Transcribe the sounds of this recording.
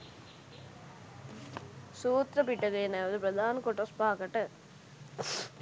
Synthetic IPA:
suːt̪ɾɐpiʈːɐkɐjɐnɐːʋɐd̪ɯpɾɐd̪ʱaːnkɔʈːɐspaːkɐʈːɐ

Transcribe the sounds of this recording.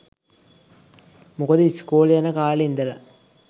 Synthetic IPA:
mukəd̪ɨiskoːljanəkaːlind̪ɐlɐ̰

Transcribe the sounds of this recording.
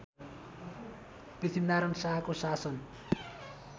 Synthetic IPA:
b̥it̪ʰimnaɾʌnsaɦakosasʌn

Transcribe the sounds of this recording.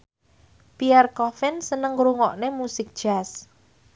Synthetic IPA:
piɛrkɔfɪnsənəŋɾuŋɔʔnemusɪk̚d̥ʒ̥as

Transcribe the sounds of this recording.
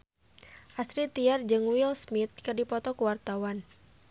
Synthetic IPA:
ʔast̪ɾit̪iard͡ʒəŋwilsmit̪̚kɨrdipɔt̪ɔkəwart̪awan

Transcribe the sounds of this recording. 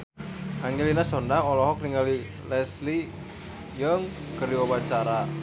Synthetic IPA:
aŋɡelinasɔndaɔlɔɦɔk̚riŋali | lɛsli | jəŋ | kərdiɔbat͡ʃaɾa

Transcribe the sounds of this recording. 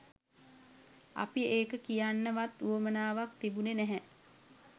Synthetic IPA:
a̰pieːkəkijanːəʋat̪uomənaːʋak̚t̪ibunenɛɦɛ

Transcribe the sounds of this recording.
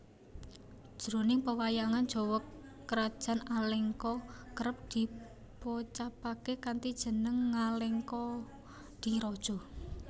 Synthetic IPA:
ʒ̥ɾonɪŋpəwajaŋan̥ʒ̥ɔ̤wɔkː | əɾad̥ʒ̥a̤naleŋkɔkəɾəp̚d̪̥i̤ | pot͡ʃapakekant̪id̥ʒ̥ə̤nəŋːaleŋkɔ | d̪̥iɾɔd̥ʒ̥ɔ̤

